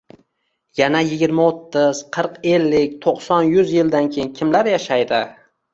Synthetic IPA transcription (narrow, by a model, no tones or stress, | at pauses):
janajɪɡʲɪɾmaot̪ːɪz̥qʰɨɾqe̞lːɪk̚ʲt̪ʰoqsɒnjʊzjɪld̪ankʲʰejɪnkʲʰɪmlaɾjaʃajd̪ɪ